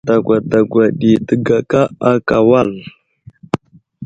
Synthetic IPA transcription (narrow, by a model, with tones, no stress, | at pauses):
da˨ɡʷa˨da˨ɡʷa˨ɗi˨tə˦ɡa˨ka˦a˦ka˨wa˦˨l